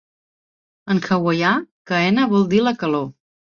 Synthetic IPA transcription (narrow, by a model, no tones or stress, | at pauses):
əŋxəwəjakəɛnəβɔlˠd̪iləkəlo